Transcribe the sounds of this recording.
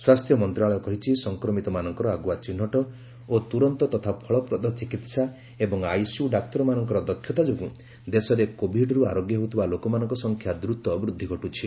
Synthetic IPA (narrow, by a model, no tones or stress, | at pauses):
swast̪ʰjɔmɔnt̪ɾaɭɔkɔɦit͡ʃʰisɔŋkɾɔmit̪ɔmanɔŋkɔɾɔaɡuwat͡ʃinːɔʈɔ | ot̪uɾɔnt̪ɔt̪ɔt̪ʰapʰɔɭɔpɾɔd̪ʱɔt͡ʃikit̪sa | ebɔŋajsuɖakt̪ɔɾɔmanɔŋkɔɾɔd̪ɔkʰjɔt̪ad͡ʒoɡu | d̪esɔɾekobʱiɖɔɾuaɾoɡjɔɦot̪ʰibalokɔmanɔ̃ŋkɔsɔŋkʰjad̪ɾut̪ɔːbɾud̪ʱːiɡʱɔʈut͡ʃʰi